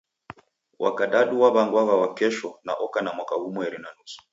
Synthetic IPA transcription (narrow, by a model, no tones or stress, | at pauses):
wʔa̰kaɗaɗuwaβaŋɡwaɣawakɛʃɔna̰ʔɔkanamwakahumuɛɾinanusu̥